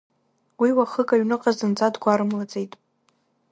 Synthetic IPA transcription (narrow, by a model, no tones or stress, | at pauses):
wiwaχəkʼaɥnɨqʼazɨnt͡sʼadɡʷaɾɨmlat͡sʼe̞jtʼ